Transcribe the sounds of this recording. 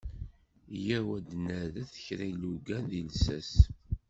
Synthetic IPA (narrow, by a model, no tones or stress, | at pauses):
jæwæd̪næðæθə̥çɾalːuɡænðilsæs